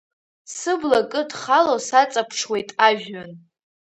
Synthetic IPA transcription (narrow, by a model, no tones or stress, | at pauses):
sɨblakʼɨdχalosat͡sʼapʰʂʰwe̞jtʼaʒʲᶣan